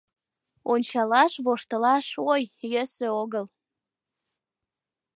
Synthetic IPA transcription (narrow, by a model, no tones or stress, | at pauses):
onʲt͡ɕɑlɑʃβoʃt̪əlɑʃojjøsøoɣəl